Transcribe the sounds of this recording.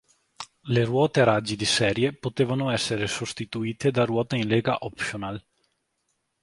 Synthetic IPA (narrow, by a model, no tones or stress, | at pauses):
lerwɔːt̪eaɾad͡ʒid̪isɛːɾjepot̪eːvanoɛsːeɾesost̪it̪uiːt̪ed̪arwɔːt̪ainleːɡaʔɔpʃonal